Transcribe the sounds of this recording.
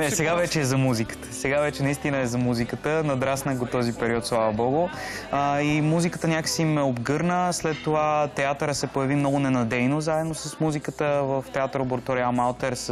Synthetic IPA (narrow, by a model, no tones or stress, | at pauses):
ɛsɛɡavɛt͡ʃɛːzɐmuzikə̥t̪ə̥sɛɡavɛt͡ʃɛnɐist̪inəɛzɐmuzikət̪ənɐd̪ɾasnəkɡ̪ot̪ɔzipɛɾiɔt̪slˠavɐbɔɡʊəimuzikət̪ənʲakə̥siimɛobɡɤɾnəslɛt̪ːovat̪ɛat̪əɾəsɛpojɐvimnɔɡʊnɛnɐd̪ɛjnozaɛd̪nosɐsmuzikət̪əvəft̪ɛat̪ɾoboɾt̪ɔɾiamalˠt̪ɛɾs